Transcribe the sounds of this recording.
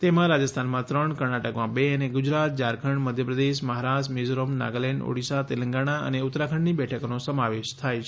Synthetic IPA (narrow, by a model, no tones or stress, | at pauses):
t̪emãɾad͡ʒəst̪ʰanmãt̪ɾəɳkəɾɳaʈəkʋãbeəneɡʊd͡ʒɾat̪̚d͡ʒaɾkʰəɳməd̪ʱjəpɾəd̪eʃməɦaɾasmid͡ʒɾomna̰ɡəleɳɖo̰ɽisat̪elə̃ŋɡaɽ̃aə̰neʊt̪ːɾakʰəɳɖnibɛʈʰəkonosəmaʋeʃt̪ʰajt͡ʃʰ